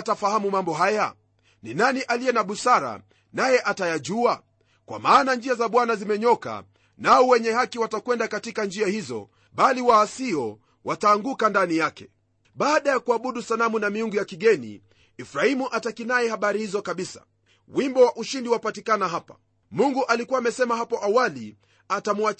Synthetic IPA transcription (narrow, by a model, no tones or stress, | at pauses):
tafahamumambɔɦaja | ninaniʔalijɛnaɓusaɾa̰ | najɛʔatajaʄua | kwa̰maːnand͡ʒiazaɓwanazimɛɲɔka̰ | naɔwɛɲɛhakiwatakwɛndakatikand͡ʒiahizɔ̰ | ɓaliwaːsiɔ | wataːŋɡukandanijakɛ | ɓaːɗajakuaɓuɗusalamunamiuŋɡujakiɠɛnḭ | ifɾahimuʔatakinajɛhaɓaɾihizɔkaɓisa̰ | wimbɔwaʔuʃindiwapatikanaɦapḁ̰ | muŋɡuʔalikuwaːmɛsɛmahapɔʔawali | atamua